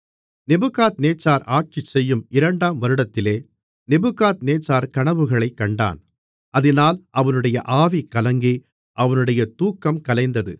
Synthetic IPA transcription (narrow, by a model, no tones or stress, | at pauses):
nɛbɯkaːt̪neːt͡ʃːaːɾaːʈ̚t͡ʃɪt͡ʃːɛjːɯmɪɾɐɳɖaːmʋɐɾɯɽɐt̪ːɪleː | nɛbɯkaːt̪neːt͡ʃːaːɾkɐɳɐʋɯɣɐɭɐɪkːɐɳɖa̰ːn | ʔɐðɪnaːlʔɐʋɐnɯɽɐjɐʔaːʋikːɐlɐŋɡi | ʔɐʋɐnɯɽɐjɐt̪uːkːɐmkɐlɐɪnd̪ɐðɯ̰